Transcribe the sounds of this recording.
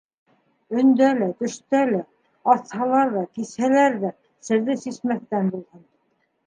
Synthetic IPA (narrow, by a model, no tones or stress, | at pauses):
ɵ̆nd̪ælæt̪ɵ̆ʃt̪ælæ | ɑt̪hɑlˠɑɾðɑkishælæɾðæ | sɘ̆ɾðɘsismæθt̪ænbulˠhɤn